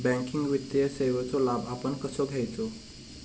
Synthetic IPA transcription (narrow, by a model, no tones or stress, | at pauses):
bæ̃ŋkiŋɡʋit̪jəseʋət͡solabapənkəsoɡʱɛjt͡so